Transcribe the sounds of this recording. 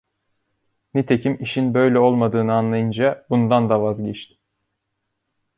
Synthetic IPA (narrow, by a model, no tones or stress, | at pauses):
nit̪ʰe̞cʰimiʃinbø̞jlʲɛo̞lˠmad̪ɯːnɯanlˠajɯnd͡ʒabund̪and̪avazɟɛt͡ʃt̪ʰɪ̥